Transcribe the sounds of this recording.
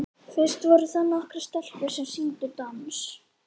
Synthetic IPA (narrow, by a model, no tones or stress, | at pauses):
fɪr̥st̪vɔɾʏθanːaɔhkɾɪ̥st̪ɛl̥pʏ̥sɛmsint̪ʏt̪ɔns